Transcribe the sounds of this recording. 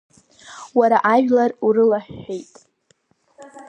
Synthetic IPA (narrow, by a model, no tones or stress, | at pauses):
waɾaʔaʒᶣlaruɾɨlaħːejtʼ